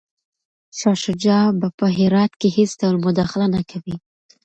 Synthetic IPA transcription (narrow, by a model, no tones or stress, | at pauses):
ʃɑʃʊd͡ʒɑbapəɦɪɾɑt̪keɦɪsd̪awlmʊd̪ɑxɪlanakʰawi